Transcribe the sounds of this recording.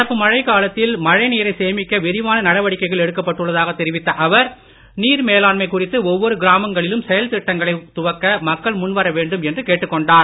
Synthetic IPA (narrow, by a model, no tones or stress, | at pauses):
ɽɐpːɯmɐɻɐɪkaːlɐt̪ːɪlmɐɻɐɪniːɾɐɪseːmɪkːɐʋɪɾɪʋaːnɐnɐɽɐʋɐɽɪkːɐɪɣɐɭɛɽɯkːɐpːɐʈːɯɭːɐðaːɣɐt̪ːɛɾɪʋɪt̪ːɐʔɐʋɐɾ | niːɾmeːlaːɳmɐɪkʊrɪt̪ːɯɔʋːɔɾɯɡɪɾaːmɐŋɡɐɭɪlɯmsɛjɐlt̪ɪʈːɐŋɡɐɭɐɪt̪ʊʋɐkːɐmɐkːɐɭmʊnʋɐɾɐʋeːɳɖɯmɛndrɯkeːʈːɯkːɔɳɖaːɾ